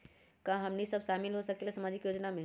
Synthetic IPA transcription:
kãɦɐmnisəbʃaːmɪlɦosɐkelasɐmaːd͡ʒɪkjoːd͡ʒnamẽ

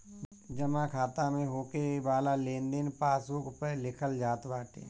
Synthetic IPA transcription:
d͡ʒəmãkʰaːt̪ãmẽɦoːkebaːlalẽːnd̪enpaːsokpəlɪkʰəld͡ʒaːt̪baːʈḛː

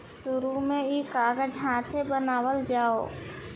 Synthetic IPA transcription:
sʊɾumẽikaːɡəd͡ʒɦãːt̪ʰebənaːwəld͡ʒaːoː

